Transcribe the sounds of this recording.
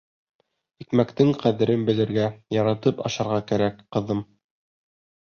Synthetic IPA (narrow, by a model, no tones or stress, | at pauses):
ikmækt̪ɘŋqæðɘ̆ɾɘnbɘ̆lɘ̆ɾɡæjɑɾɑt̪ɤpɑ̰ʃɑɾʁɑkæɾækqɤ̆ðɤm